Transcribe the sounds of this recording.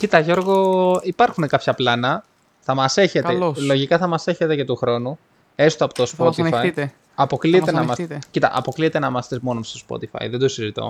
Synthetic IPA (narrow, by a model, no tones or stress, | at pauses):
cit̪ɐʝo̞ɾɣo̞ipɐɾxune̞kɐpçɐplɐnɐ | θɐmɐse̞çe̞t̪eollo̞ʝikɐθɐmɐse̞çe̞t̪e̞ce̞t̪uxɾo̞nu | e̞st̪oɐpo̥t̪ospot̪ifɐ | ɐpo̞kliet̪enɐmɐscit̪ɐ̰ʔɐ̰po̞kliet̪e̞nɐmɐst̪ezmo̞nost̪ospo̰t̪ifɐ̰jðed̪osizit̪o̰